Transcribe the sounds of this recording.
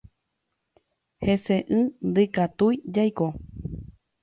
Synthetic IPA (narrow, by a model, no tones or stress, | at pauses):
heseʔɨ̃nd̪ɨkat̪ujd͡ʒajko